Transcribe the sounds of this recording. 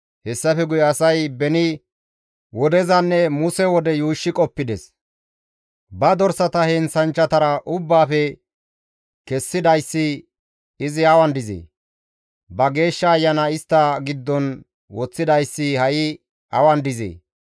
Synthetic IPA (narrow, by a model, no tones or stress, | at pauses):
hɛsːɐfɛɡʊjɛɐsɐjbɛnɪ | wɔd̪ɛzɐnːɛmʊsɛwɔd̪ɛjuːʃːɪkʼɔpːɪd̪ɛs | bɐd̪ɔɾsɐt̪ɐhɛnsɐnt͡ʃːɐt̪ɐɾɐʔʊbːaːfɛ | kɛsːɪd̪ɐjsːɪː | zɪɐwɐnd̪ɪzḛː | bɐɡe̞ːʃːɐːjːɐnɐɪst̪ːɐɡɪd̪ːɔn | wɔt͡sːɪd̪ɐjsːɪhɐʔɪ | ɐwɐnd̪ɪzḛː